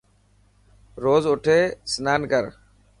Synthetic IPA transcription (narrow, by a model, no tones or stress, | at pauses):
ɾoːzʊʈʰeːsnaːnkəɾ